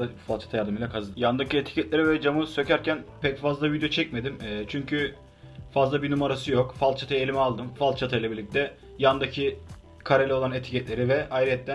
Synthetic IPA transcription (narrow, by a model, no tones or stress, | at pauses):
afalˠt͡ʃʰḁt̪ʰajaɾd̪ɯmijlˠakʰazɯd̪jand̪aciet̪ʰi̥cʰɛt̪lʲeɾivɛd͡ʒamɯsø̞cʰæɾcʰænpʰɛcfazlˠavid̪jot͡ʃʰɛc̚me̞d̪imɛːt͡ʃʰyɲcʰy | fazlˠabinumaɾasɯjokfalt̪t͡ʃʰat̪ʰajelʲimɛalˠd̪ɯmfalˠt̪t͡ʃʰat̪ʰajlˠabiɾlʲic̚t̪ʰɛ | jand̪acʰi | kʰaɾelʲɛoanet̪ʰi̥cʰɛt̪lʲe̞ɾivɛajɾiɛt̪ːæ